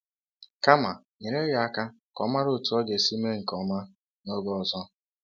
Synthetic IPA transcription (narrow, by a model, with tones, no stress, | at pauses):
ka˦ma˨ | ɲe˨ɾe˦ja˨a˨ka˦ | kɔ˨˦ma˦ɾʊ˦˨tʊ˨˦ɔ˦ɡe˨si˦me˦ŋ̩˨kɔ˨ma˦ | no˦ɡɔ˦ɔ˨zɔ˦